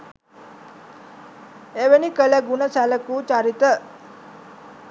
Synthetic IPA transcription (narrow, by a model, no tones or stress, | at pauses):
eʋenikələɡunəsæləkut͡ʃaɾit̪ə